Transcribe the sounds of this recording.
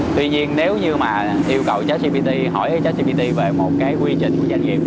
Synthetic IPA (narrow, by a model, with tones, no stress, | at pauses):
t̪wi˧ɲi˧ənne˨˦wɲɨ˧maː˨˩ | ʔi˧əwkə˨˩wt͡ɕaː˨˦˥t̚si˧ɓi˧t̪i˧ɦɔ˧˩jʔəː˨˦jt͡ɕaː˦˥t̚si˧ɓi˧t̪i˧ve˨˩mo˨˩t̚kaː˨˦jkwi˧t͡ɕï˨˩ŋ̟ku˧˩əza˧ŋ̟ɣḭ˨˩p̚